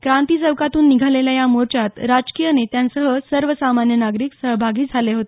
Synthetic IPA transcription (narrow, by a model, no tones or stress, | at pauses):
kɾãnt̪iːd͡zəʋkat̪uːnːiɡʱaleljajamoɾt͡ɕat̪ɾad͡zkijənet̪jansəɦəsəɾʋəsamanjənaɡɾiːksəɦbʱaɡiːd͡zʱaleɦot̪e